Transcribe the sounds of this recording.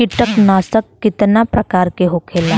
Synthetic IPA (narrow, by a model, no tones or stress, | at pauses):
ɪʈəknaːsəkːɪt̪napɾɐkaːɾkeɦokʰeːla